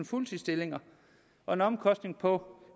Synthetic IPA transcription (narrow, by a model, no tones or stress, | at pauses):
n̩fult͡sʰisd̥e̝le̝ŋɐ | ɒ̽e̝nɒ̽mkʰɒ̽sd̥ne̝ŋpʰɒ̽